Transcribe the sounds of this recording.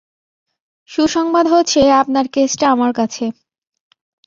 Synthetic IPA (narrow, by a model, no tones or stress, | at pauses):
ʃuʃɔŋbad̪ɦot͡ɕʰeapnaɾkesʈaamaɾkat͡ɕʰe